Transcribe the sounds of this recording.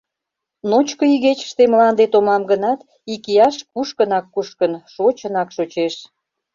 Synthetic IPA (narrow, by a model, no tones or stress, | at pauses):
not͡ɕkoiɣet͡ɕə̥ʃt̪emlɑnd̪et̪omɑmɡənɑt̪ | ikijɑʃkuʃkənɑkːuʃkənʃot͡ɕənɑkʃot͡ɕeʃ